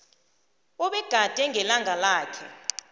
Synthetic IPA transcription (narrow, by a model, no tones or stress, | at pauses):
ɔɓɛɡ̥ʱad̥ʱɛŋʱɛlaŋʱalaːkʰɛ̰